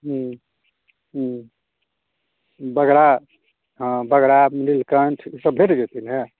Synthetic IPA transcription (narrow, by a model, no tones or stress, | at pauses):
ɦũ | ɦ | bəɡɾa | ɦbəɡɾamililkəɳʈʰisəbʱeʈɡet̪ʰinɦɛ